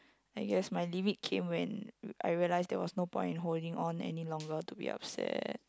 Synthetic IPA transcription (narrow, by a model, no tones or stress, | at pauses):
aɪɡɛsmajlimit̚kʰẽmwɛ̃na̰jɹiəlaɪsdɛwɔsnopɔ̰̃ɪj̃nɦoldĩŋʔɔ̃nɛ̰nilɔ̃ŋɡətubḭʔa̰p̚sɛ̰t̚